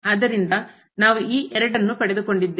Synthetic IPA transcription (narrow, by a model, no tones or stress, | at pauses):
d̪ɐɾind̪ɐ | naːʋuiːʔɛɾɐɖɐnːupɐɽed̪uko̞ɳɖid̪ː